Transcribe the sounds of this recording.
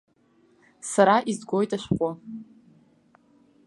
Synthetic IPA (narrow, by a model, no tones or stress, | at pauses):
saɾaʔizɡʷo̞jtʼaʃʷᶣqʷʼa